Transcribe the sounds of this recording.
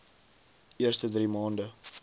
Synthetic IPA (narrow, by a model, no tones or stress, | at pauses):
iərstədriːmɑːndə